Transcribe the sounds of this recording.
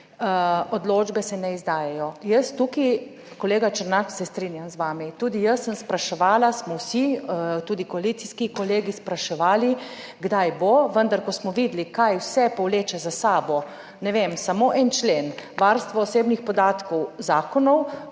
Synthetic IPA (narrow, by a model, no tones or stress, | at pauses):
od̪loːd͡ʒbɛsɛnɛizd̪aːjɛjɔjəst̪uki | kɔleːɡat͡ʃəɾnaksɛst̪ɾinjamzʋaːmit̪uːd̪ijəsːəmspɾaʃɛʋaːlasmɔwsit̪uːd̪ikoalit̪siskikɔleːɡispɾaʃɛʋaːli | ɡd̪ajboʋənd̪aɾkɔsmɔʋiːd̪likajwsɛpɔwleːt͡ʃɛzasaːbɔ | nɛʋemsamoʔɛnt͡ʃleːnʋaɾst̪ʋɔːseːbnixpɔd̪aːt̪kɔwzaːkɔnɔw